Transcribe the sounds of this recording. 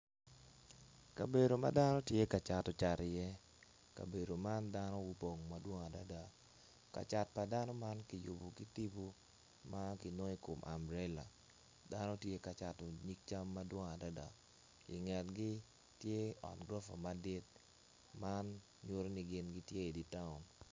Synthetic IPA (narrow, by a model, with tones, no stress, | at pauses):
ka˨be˨ɾo˨ma̰˦da˦nɔ˦tje˦ka˨t͡ʃa˨tɔ˨t͡ʃa˨ɾɪ˨jɛ˦ | ka̰˨be˨do˨ma˦nda˦nɔ˦wu˦po˨ŋma˦dwɔ˦ŋa˨da˦da˨ | ka̰˨t͡ʃa˨t̚pa˨da˦nɔ˦ma˦nki˨ju˨bo˨ki˦ti˦bo˦ | ma˦ki˨no˦i˦ko˨mʔa̰˨mɾɛ˦la̰˨ | da˦nɔ˦tje˦ka˨t͡ʃa˨tɔ˨ɲi˦k̚t͡ʃa˦mːa˦dwɔ˦ŋa˨da˦da˨ | ɪ̰˨ŋɛ˨tɡi˦ | tje˦ɔ̰˨tɡɾɔ˦fa̰˨ma˨dɪ˦t̚ | ma˦n | ɲo˦ɾo˦ni˨ɡɪ˦nɡi˦tje˦e˨di˨ta˦ʊ˨m